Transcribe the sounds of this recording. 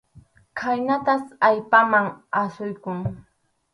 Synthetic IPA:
kʰajnat̪asajpamaŋasʊjkʊŋ

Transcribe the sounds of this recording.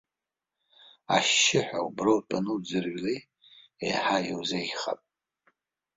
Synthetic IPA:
aʃːɪħʷᶣa̰ubrowtʼanɨd͡zɨrɥlej | ḛjħajiwzejχa̰pʼ

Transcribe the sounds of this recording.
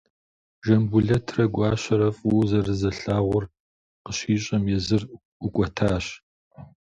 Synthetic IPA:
ʒɐmbuɮɐtʰrɐɡʷɑːɕɐɾɐfʼuːzɐrɨzɐɬaːʁʷʊr | qəɕiːɕʼɐmjɛzɨr | ʊkʷʼɔtʰaːɕ

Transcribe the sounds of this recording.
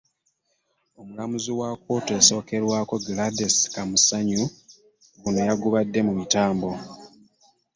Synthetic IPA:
o̞mulamuziwako̞ːteso̞ːke̞ɾwaːko̞ɡladeskamusaɲu | ɡunojaɡuβadːe̞mumitaːmbo̞

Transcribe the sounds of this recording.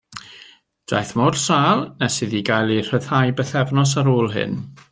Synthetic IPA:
d̥a̰jθmɔrsaːlˠnɛsɨðiɡajlˠir̥əðajbəθɛvnɔs̬aɾoːlˠɦɨ̰n

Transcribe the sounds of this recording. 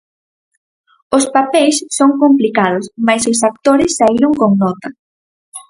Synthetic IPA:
ospapejssoŋkomplikaðʊsmajsosak̚t̪oɾɪsːaiɾoŋkoŋnɔt̪ɐ

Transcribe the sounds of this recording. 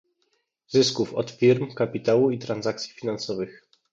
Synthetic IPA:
zɘskufɔt̪fʲiɾmkapʲit̪awuit̪ɾanzak̚t̪sʲjifʲinansɔvɘx

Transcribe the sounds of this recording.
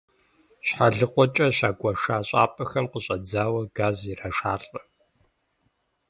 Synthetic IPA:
ɕħaɮɨqʷʼɔt͡ʃʼɐɕaːɡʷʼɐʂaːɕʼa̰ːpʼɐxɐmqəɕʼɐd͡zaːwɐɡaːziraʂaːɬʼɐ

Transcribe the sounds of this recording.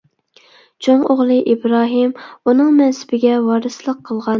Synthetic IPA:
t͡ʃʰoŋoʁlˠɨʔibɾɑːɦɨmunɨŋmɛnsɪ̥bɪɡʲɛwɑːɾɨslˠəqʰːəlˠʁɑn

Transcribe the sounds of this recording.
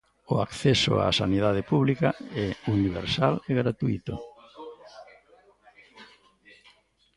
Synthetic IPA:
ʊakθɛsʊ̰a̰sa̰niðað̞ɪpuβlikaɛuniβ̞ḛɾsaleɣɾat̪uit̪ʊ̰

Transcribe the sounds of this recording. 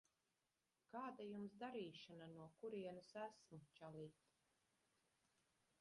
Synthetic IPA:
kaːd̪ajumzd̪aɾiːʃananuɔkuɾiɛnusæsmut͡ʃaliːt̪

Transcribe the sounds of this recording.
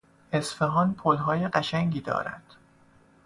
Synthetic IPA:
ʔesfeɦɒːnpʰolɦɒːjeɢæʃæŋɟiːd̪ɒ̰ːɾæ̰d̪̥

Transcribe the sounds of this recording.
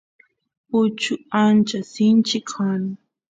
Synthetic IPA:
ʊt͡ʃʊant͡ʃasɪnt͡ʃɪkʰanɪ

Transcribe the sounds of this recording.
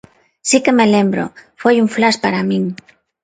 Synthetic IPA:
sikemelembɾo̰fojuɱflaspaɾamĩŋ

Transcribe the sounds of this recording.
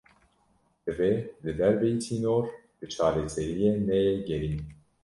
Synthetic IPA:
d̪ɨveːlɨd̪ɛɾbɛjitʰiːnoːɾ | bɨt͡ʃʰɑːlɛsɛɾijeːnɛjeɡɛɾiːn

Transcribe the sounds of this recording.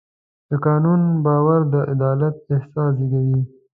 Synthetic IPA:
d̪̥əkɑːnunbɑːwaɾd̪əʔɪd̪ɑːlat̪̚ɪhsɑːs̬iɡ̪awi

